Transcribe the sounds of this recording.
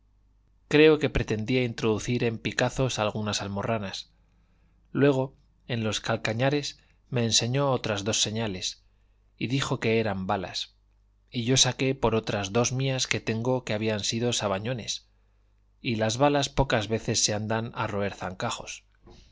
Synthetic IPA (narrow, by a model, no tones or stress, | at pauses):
kɾe̞o̞ke̞pɾe̞t̪e̞nd̪iaint̪ɾoðuθiɾe̞mpikaθo̞salɣ̞unasalmo̞ranas | lwe̞ɣ̞o̞ | e̞nlo̞skalkaɲaɾe̞s | me̞ːnse̞ɲo̞ot̪ɾazðo̞sːe̞ɲale̞s | iðixo̞ke̞eɾambala̰s | iʝo̞sake̞po̞ɾo̞t̪ɾazðo̞zmiaske̞t̪e̞ŋɡo̞ke̞aβ̞iansiðo̞saβaɲo̞ne̞s | ilazβalaspo̞kazβe̞θe̞sːe̞and̪ana̰ro̞e̞ɾθaŋkaχo̞̰s